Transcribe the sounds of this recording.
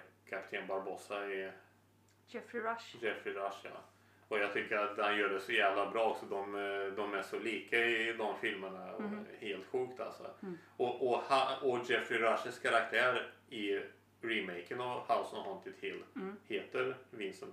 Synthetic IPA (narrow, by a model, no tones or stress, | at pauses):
kʰapt̪ʰeːnbaɾbɔːsaɛ | d͡ʒɛfɾɪɾaʂjɑ̰ː | ɔjɑːɡ̚t̪ʰʏkːəɾat̪hanjœːɖɛsɔjæːvlabɾɑːɔksɔd̪ɔmd̪ɔmæʂɔliːkaɪd̪ɔmfɪlməɳaɔ̰heːlt̪ɧʉ̟ːkt̪ʰa̰lsɔ̰ | ɔʔɔhaɔd͡ʒɛfɾɪɾaʂəskʰaɾak̚t̪ʰæːɾɪ | ɾɪmɛɪkənɔhaʊsənɔhɔnt̪ʰɪt̪ʰhɪlːheːt̪əɾvɪnsən